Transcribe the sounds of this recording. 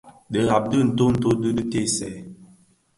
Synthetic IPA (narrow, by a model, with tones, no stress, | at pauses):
də˨˦ɣa˨b̚də˦˨n̩˨to˦n̩˨˦to˦dɨ˦də˦te˦˨sɛ˨